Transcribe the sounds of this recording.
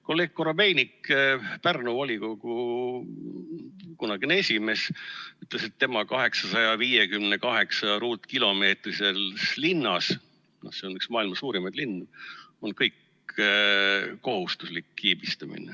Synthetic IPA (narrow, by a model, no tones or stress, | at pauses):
kolːekkːoɾɑbejnikpærnuvolʲiko̞ɡ̥u | kunɑɡ̥inesʲime̞syt̪ˑlese̞t̪ːe̞mɑkɑɦe̞ksɑsɑjɑviːjekymnekɑɦe̞ksɑɾuːt̪ːˑkilo̞me̞ːt̪rise̞lslinːɑs | no̞̰se̞o̞nyksmɑːilmɑsuːɾimɑd̪̥linːo̞nkɤjk | o̞ɦhust̪uslikːiːb̥ist̪ɑmḭnḛ